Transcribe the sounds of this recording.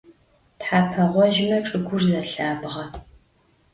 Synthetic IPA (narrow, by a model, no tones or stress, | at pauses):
tħaːpʰɐʁʷɔʒɪmɐʈ͡ʂʼɨɡʷʊrzɐɬaːbʁɐ